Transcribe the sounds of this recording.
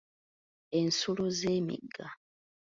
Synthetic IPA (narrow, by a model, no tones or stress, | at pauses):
ensuluzeːmḭɡːa